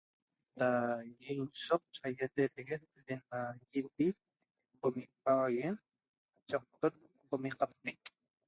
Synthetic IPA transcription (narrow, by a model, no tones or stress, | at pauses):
dajinsoq̚t͡ʃajat̪et̪eɣet̪̚denajibi | qomipawajen | t͡ʃaq̚t̪ot̪̚ | qomiqapt̪ik